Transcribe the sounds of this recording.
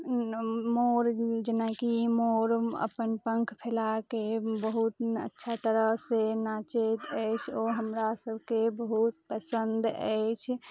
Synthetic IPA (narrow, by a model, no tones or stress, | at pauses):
moɾd͡ʒenakimoɾə̰pənpə̃ŋkʰpʰelakebəɦut̪ə̰tːʃʰat̪əɾəɦsenat͡ʃet̪əjt͡ʃʰoɦəmɾasəbʱkebəɦut̪̚pəsənd̪ə̰ɪt͡ʃʰ